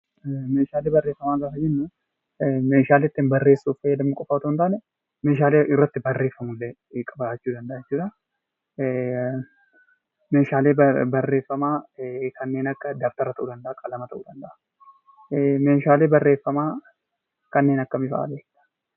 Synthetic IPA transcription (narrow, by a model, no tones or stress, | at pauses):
meːʃaːleːbɐrːeːfːɐmaːzasɐd͡ʒɪnː | meːʃaːleːt̪ːɪːnbɐrːeːsːuːfɐjɐd̪ɐmːɐkʼɔfat̪ont̪aːnɛ | meːʃaːleːʔɪrːɐt̪ːɪbɐrːe̞ːfːɐmʊlːɛ | kʼɐbaɛt͡ʃːuːd̪ɐnd̪ɐʔaːjɛt͡ʃːuːᶑɐ | meːʃaːleːbɐrːe̞ːfːɐmaːkʰɐnːe̞ːnɐkːɐd̪aːft̪ɐɾɐt̪ɐʔuːd̪ɐnd̪ɐʔakʼɐlɐmɐt̪ɐʔṵːd̪ɐnd̪ɐʔḁ | meːʃaːleːbɐrːe̞ːfːɐmaː | kɐnːe̞ːnɐkːɐmɪfa̰a̰le̥